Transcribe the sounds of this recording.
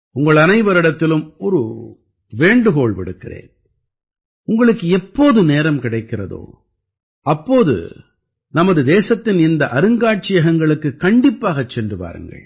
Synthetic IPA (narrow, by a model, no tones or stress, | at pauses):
ʊŋɡɐɭɐnɐɪʋɐɾɪɽɐt̪ːɪlɯmɔɾɯ̰ | ʋeːɳɖɯɣoːɭʋɪ̰ɽɯkːɪrḛːn | ʊŋɡɐɭɯkːɯɛpːoːðɯneːɾɐmkɪɽɐɪkːɪrɐ̰ðo̰ː | ɐpːoːðɯ̰ | nɐmɐðɯd̪eːsɐt̪ːɪnɪnd̪ɐʔɐɾɯŋɡaːʈ̚t͡ʃɪjɐɣɐŋɡɐɭɯkːɯkːɐɳɖɪpːaːɣɐt͡ʃːɛndrɯpa̰ːɾɯ̰ŋɡɐ̰ɭ